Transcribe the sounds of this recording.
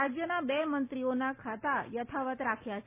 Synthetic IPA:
ad͡ʒjənabemənt̪ɾionakʰat̪ajət̪ʰaʋət̪ɾakʰjat͡ʃʰ

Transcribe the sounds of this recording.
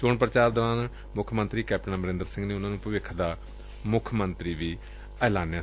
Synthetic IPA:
t͡ʃoːɳpɾət͡ʃaːɾd̪oːɾaːn | mʊkʰmə̃nt̪ɾiːkɛːp̚ʈənãːməɾɪ̃nd̪əɾsɪ̃ŋɡneːʊnãːnũːpəʋɪkʰːd̪aː | mʊkʰmənt̪ɾiːʋiː | ɛːlaːnjaː

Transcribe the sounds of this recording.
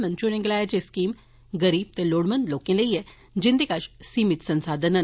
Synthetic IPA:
mɐnt͡ʃunẽŋɡlaːjat͡ɕeskiːm | ɡəɾiːb̚t̪eloːɽmənd̪lokẽnleije | d͡ʑind̪ekaʃsiːmit̪sənsaːd̪ʱənən

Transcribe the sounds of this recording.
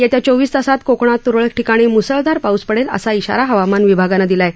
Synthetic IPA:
jɛt̪jat͡soʋiːst̪əsat̪kokɽ̃at̪ːuɾɭək̚ʈikaɽ̃iːmusəɭd̪aɾpauspəɽelə̰saiɕa̰ɾaɦəʋamanʋibʱaɡanad̪ilae

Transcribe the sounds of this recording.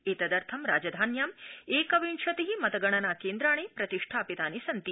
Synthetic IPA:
eːt̪ɐd̪ɐɾt̪ʰɐmɾaːd͡ʒɐd̪ʱaːnjaːmeːkɐʋiɳʃɐt̪iɦimɐt̪ɐɡɐɳɐnaːkeːnd̪ɾaːɳ̃eːpɾɐt̪iʂʈʰaːpit̪aːnisɐnt̪i

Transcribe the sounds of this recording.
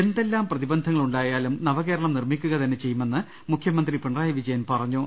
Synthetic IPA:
end̪e̞lːaːmprɐðibɐnd̪ʱɐŋːɐɭuɳɖaːjaːlumnɐʋɐke̞ːɾɐɭɐmnirmikʲːuɣɐt̪ɐnːet͡ɕe̞jːume̞nːɨ | mukʰjɐmɐnd̪ripeɳraːjɐʋid͡ʑɐjɐnpɐrɐɲːu

